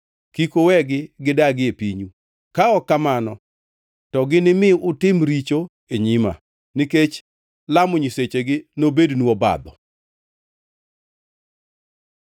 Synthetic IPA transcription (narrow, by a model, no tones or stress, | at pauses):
kikowɛɡɪɡɪdaɡɪepiɲu | kaɔkːamanɔ | tɔɡɪnɪmɪʊtɪmɾit͡ʃo | eɲima̰ | niket͡ʃ | lamʊɲiset͡ʃeɡɪnobednuɔba̰d̪ɔ